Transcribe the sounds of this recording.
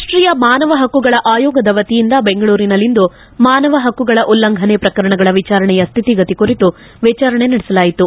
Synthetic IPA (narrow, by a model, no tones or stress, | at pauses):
ʂʈɾijɐmaːnɐʋɐɦɐkːuɡɐɭɐʔaːjɔːɡɐd̪ɐʋɐt̪ijind̪ɐbe̞ŋɡɐɭuːɾinɐlːind̪u | maːnɐʋɐɦɐkːuɡɐɭɐʔulːɐŋɡʱɐnepɾɐkɐɾɐɳɐɡɐɭɐʋit͡ʃaːɾɐɳɛjɐst̪ʰit̪iɡɐt̪ikuɾit̪u | ʋɛːt͡ʃaːɾɐɳe̞nɐɽɛsɐlaːjit̪u